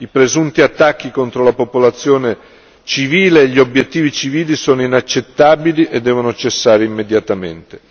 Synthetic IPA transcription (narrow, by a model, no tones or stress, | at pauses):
ipɾezunt̪iat̪ːak̟ːikont̪ɾolapopolat̪sːjoːne | t͡ʃiviːleːʎːiobjet̪ːiːvit͡ʃiviːlisoːnoinat͡ʃːet̪ːaːbiliʔed̪ːɛːvonot͡ʃesːaːɾeimːed̪jat̪amḛnt̪e̥